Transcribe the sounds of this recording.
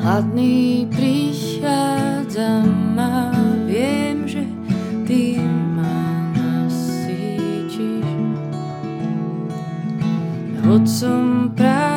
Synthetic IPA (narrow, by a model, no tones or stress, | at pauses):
at̪nipɾiʃaːdd͡zamːavjɛmʒɛ | t̪imanasi | t͡ʃiʃ | ɦot̪sumpɾa